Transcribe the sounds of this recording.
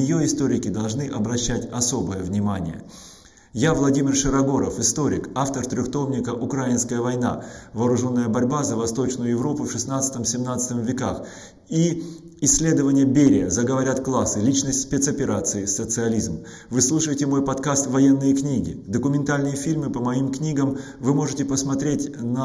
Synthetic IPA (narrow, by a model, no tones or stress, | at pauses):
ɪjoɪst̪oɾʲɪkʲɪd̪ɐlˠʐnɨʔɐbɾɐɕːætʲɐso̞bəjəvnʲɪmanʲɪ̰jə̰ | javlˠɐdʲimʲɪrʂɨɾɐɡo̞ɾə̰fɪst̪o̞ɾʲɪ̰kaft̪ərt̪ɾʲʏxt̪o̞mnʲɪkəʔʊkɾajɪnskəjəvɐjna̰vɐːɾʊʐo̞nːəjəbɐɾʲbazəvɐst̪o̞t͡ɕnʊjʊjɪvɾo̞pʊfʂɨsnat̪sə̥t̪əmsʲɪmnat̪sɨ̥t̪əmvʲɪkax | i | ɪsʲːlʲe̞d̪əvənʲɪjəbʲeɾʲɪjəzəɡəvɐɾʲat̪klˠasːɨlʲit͡ɕnəsʲtʲsʲpʲet̪sɐpʲɪɾat̪sɨɪsət̪sɨɐlʲizm | vɨslˠuʂəjɪtʲɪmo̞jpɐt̪kast̪vɐjenːɨjəknʲiɡʲɪ̰d̪əkʊmʲɪnt̪alʲnɨjəfʲilʲmɨpəmɐimknʲiɡəm | vɨmo̞ʐɨtʲɪpəsmɐt̪ɾʲetʲnə